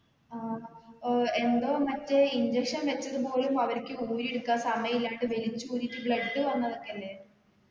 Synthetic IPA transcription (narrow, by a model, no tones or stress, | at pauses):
aː | e̞nd̪o̞ːmɐtːeiɲd͡ʑekʂɐnʋet͡ɕːɐðupo̞ːɭumɐʋɐɾkʲːɨuːɾieɽukːasɐmɐjilːaːɳʈɨʋe̞lit͡ɕːuuːɾitʲːɨbɭɐɖːɨʋɐnːɐðo̞kːeɐlːe̞ː